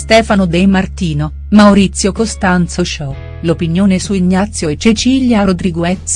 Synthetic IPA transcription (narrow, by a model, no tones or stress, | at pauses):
st̪ɛːfanod̪ejmart̪iːno | mawɾit̪sːjokost̪ant̪sot͡ʃɔ | lopinjoːnesuiɲːat̪sːjoet͡ʃet͡ʃiljaɾod̪ɾiɡwɛt̪ː